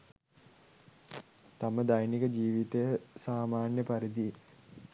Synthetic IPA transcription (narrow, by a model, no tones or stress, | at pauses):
t̪aməd̪ajnikəd͡ʒiːʋit̪əjəsaːmaːnjəpaɾid̪i